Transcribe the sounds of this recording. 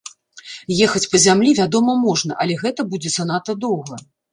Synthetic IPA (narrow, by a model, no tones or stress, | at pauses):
jɛxɐt͡sʲpɐzʲamlʲivʲad̪ɔmɐmɔʐnɐʔɐlʲɛɣɛt̪ɐbud͡zʲɛsɐnat̪ɐd̪ɔwɣɐ